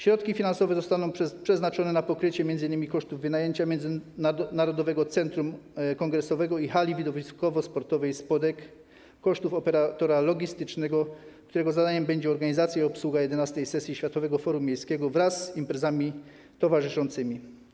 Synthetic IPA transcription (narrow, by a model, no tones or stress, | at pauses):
ɕɾɔt̪kʲifʲinansɔvɛzɔst̪anɔ̃w̃pʂɛznat͡ʂɔnɛnapɔkɾɘt͡ɕɛmʲjɛnd̪ɘinːɘmʲikɔʂt̪uvːɘnajeɲt͡ɕamʲjɛnd̪zɘnnaɾɔd̪ɔvɛɡɔt̪sɛnt̪ɾumkɔŋɡɾɛsɔvɛɡɔixalʲivʲid̪ɔvʲiskɔvɔspɔɾt̪ɔvɛjspɔd̪ɛkː | ɔʂt̪ufɔpɛɾat̪ɔɾalɔɡʲist̪ɘt͡ʂnɛɡɔkt̪uɾɛɡɔzad̪aɲɛmbɛɲd͡ʑɛɔɾɡaɲizat̪sʲjaiɔpswuɡajɛd̪ɛnast̪ɛjsɛsʲjiɕfʲat̪ɔvɛɡɔfɔɾumːjejskʲɛɡɔvɾasːimpɾɛzamʲi | t̪ɔvaʐɘʂɔnt̪sɘmʲi